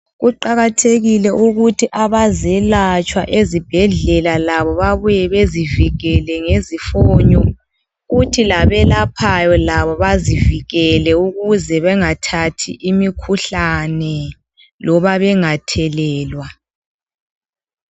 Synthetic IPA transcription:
ɣuǃaɣatʰeɣilɛʔuɣutʰiʔaβazɛlat͡ʃʼwa̰ʔezib̥ʱɛɮɛlalaβɔβaβujɛβeziviɣɛlɛŋezifɔːɲɔ | ɣutʰilaβɛlapʰajɔlaβɔβaziviɣɛlɛuɣuzɛβɛŋatʰatʰḭʔimikʰuɬanɛ | lɔβaβɛŋatʰɛlɛːlwa

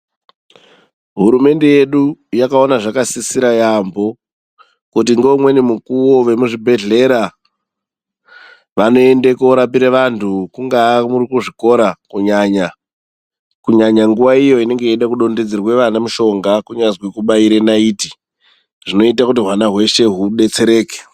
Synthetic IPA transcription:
ɦuɾume̞nde̞je̞ɗujakao̞naʐakasisiɾajambo̞ | kut̬iŋɡomwe̞nimukuwo̞ʋe̞muʐibʱe̞ɮe̞ɾa | ʋano̞e̞ndekooɾapiɾeʋantʰukuŋɡamurikuʐiko̞ɾakuɲaɲa | kuɲaɲaŋɡuʋaijo̞ine̞ŋɡejeɗakuɗo̞nded͡zirwe̞ʋanamuʃo̞ŋɡakuɲazwekuɓaiɾenaiːti̥ | ʐ̥ino̞itakutiɦwanaɦwe̞ʃe̞ɦuɗe̞t͡se̞ɾe̞ːke̥

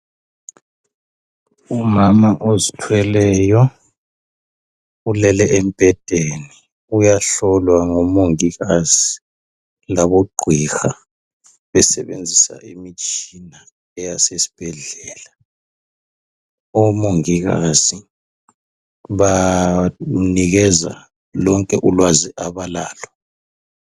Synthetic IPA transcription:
umamaʔozitʰwɛlɛːjɔ | ulɛlɛempʼɛd̥ʼʱeni | ujaɬɔlwaŋɔmoŋiɣaz̥i | laβoɡ͡ǃʱwixa | βɛsɛβḛnd͡zʱisa̰ʔimit͡ʃʼina | ɛjasesi̥b̥ʱɛɮɛːla | ɔmoŋiɣaz̥i | βa | niɣɛza̰ | lɔŋkʼɛʔulwaziʔaβalaːlɔ

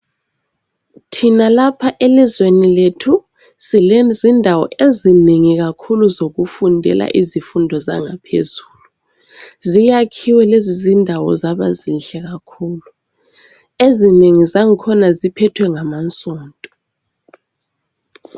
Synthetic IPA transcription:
tʰinalapʰaʔelizweniletʰu | silɛzindʱawɔ̰ʔezineŋik̬akʰuluzok̬ufundʱɛ̰la̰ʔizifundʱɔza̰ŋapʰḛzuːlu | zijakʰiwɛlezizindʱawɔ̰zaɓa̰zinɬɛk̬akʰuːlu | ezineŋizaŋikʰɔnazipʰɛtʰwɛŋamant͡sʼɔːntʼɔ

